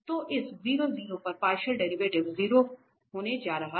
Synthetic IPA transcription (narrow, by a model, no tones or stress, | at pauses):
t̪oʔɪsziːɾoziːɾopɐɾpaːɾʃəlɖɛɾiʋeːʈɪʋziːɾo | ɦoːned͡ʒaːɾɐɦa